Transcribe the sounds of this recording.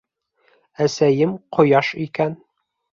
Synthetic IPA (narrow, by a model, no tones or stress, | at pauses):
æsæjɘmqʰŏjɑʃikæn